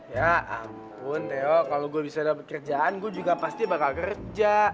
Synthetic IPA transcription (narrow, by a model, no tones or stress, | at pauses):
jaʔa̰m | pʊnt̪ɛɔkaloɡuabisadapəkərd͡ʒaanɡuad͡ʒuɡapast̪ibakalkərd͡ʒa